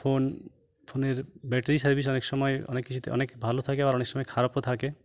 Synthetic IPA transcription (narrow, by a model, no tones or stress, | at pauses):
pʰon | pʰoneɾbɛʈeɾisaɾbis̬ɔneksɔmɔeɔ̰nekːit͡ʃʰut̪ḛʔɔ̰nekbʱalot̪ʰakeaɾɔneksɔmɔekʰaɾɔpot̪ʰake